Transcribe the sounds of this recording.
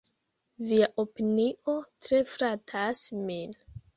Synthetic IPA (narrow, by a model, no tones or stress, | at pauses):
viaʔo̞piniʔo̞tɾe̞fɾatʰasmin